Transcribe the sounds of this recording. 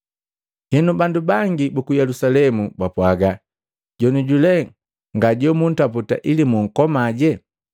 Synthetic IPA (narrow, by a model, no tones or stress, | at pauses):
hɛnubandubaŋɡibukujɛlusalɛmubapwaɡa | ɟɔnuɟulɛ | ŋɡaɟɔmun̩taputa̰ʔilimuŋ̩kɔmaɟɛ